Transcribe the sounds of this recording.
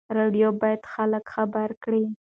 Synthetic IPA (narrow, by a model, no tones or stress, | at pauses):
ɾeɖjobɑjad̪xaləkxabaɾkɽi